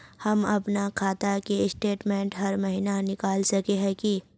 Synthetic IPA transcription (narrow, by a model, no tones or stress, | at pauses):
hɐmɐpnakʰaːt̪akeɪsʈeːʈmẽːɳʈɦɐɾmɐɦinanɪkaːlsɐkeɦɛ̃ki